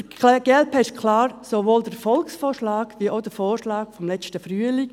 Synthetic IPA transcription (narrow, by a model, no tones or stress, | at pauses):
əɡ̥ɛlpʰɛɪʃkʰlaːɾsoʋoːldəfɔlksfoːʃlaːɡ̥ʋiːoʊd̥əfoːɾʃlaːkfɔmlɛt͡stəfɾyːəli